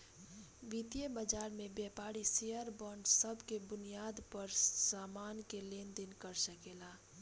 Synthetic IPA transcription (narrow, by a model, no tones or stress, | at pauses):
ʋit̪ijəbəd͡ʒaːɾmẽbjɛːpaːɾiseəɾbɔːɳɖsəbkebʊnijaːd̪pəɾsaːmaːnkeleːnd̪ɪnkəɾsəkeːlaː